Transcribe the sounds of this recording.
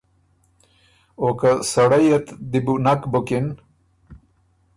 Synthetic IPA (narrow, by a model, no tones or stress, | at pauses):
okasɐɽajet̪d̪ibunakbokin